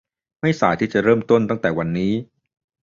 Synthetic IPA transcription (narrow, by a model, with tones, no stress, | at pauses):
ma˥˩jsaː˨˦jt̪ʰiː˥˩t͡ɕa˨˩ɾɤː˥˩˨mt̪o˥˩nt̪a˥˩ŋt̪ɛː˨˩wa˧nːiː˦˥